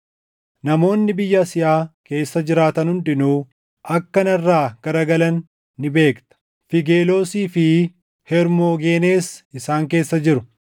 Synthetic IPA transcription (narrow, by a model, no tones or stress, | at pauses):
nɐmo̞ːnːɪbɪjːɐsɪjaːke̞ːsːɐd͡ʒɪɾaːt̪ɐnhʊnᶑɪnuː | ʔɐkːɐnɐrːaːɡ̥ɐɾɐɡɐlɐnː | ɪbe̞ːkt̪ɐ̥ | fɪɡeːlo̞ːsiːfɪ | hɛɾmoːɡe̞ːneːsɪsaːŋke̞ːsːɐd͡ʒɪɾʊ